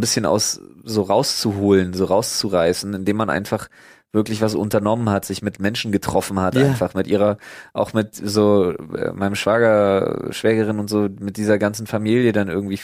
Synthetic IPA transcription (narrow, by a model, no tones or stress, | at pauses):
nbɪsçəna̰ʊszoːʁaʊst͡suɦoːlənzoːʁaʊst͡suʁaɪsn̩ɪndeːmanʔa̰ɪnfaχ | v̥ɪɐklɪçv̥as̬ʔʊ̰ntɐnɔmənhatz̥ɪçmɪtmɛnʃn̩ɡətʁ̥ɔfn̩hatʔaɪnfaχmɪtʔiːʁɐʔaʊxmɪtzoːʔɛ̰ːmaɪnəmʃv̥aːɡɐʃv̥ɛːɡəʁɪnʊntz̥oːmɪt̚d̥iːzɐɡant͡sn̩famiːljədanʔɪ̰ɐɡŋ̩tv̥iː